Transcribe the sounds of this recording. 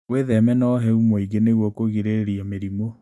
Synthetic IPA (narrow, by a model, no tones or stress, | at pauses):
weðɛmɛnɔɦɛumoiɣeneɣwɔkoɣiɾeɾeɾiameɾimo